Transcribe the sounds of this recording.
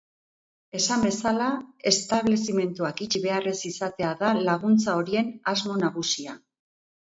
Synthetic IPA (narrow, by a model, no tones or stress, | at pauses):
e̞sambe̞salae̞st̪aβle̞sime̞nt̪uakit͡ʃiβe̞aresisat̪e̞aðalaɣ̞unt͡sao̞ɾie̞nazmo̞naɣusia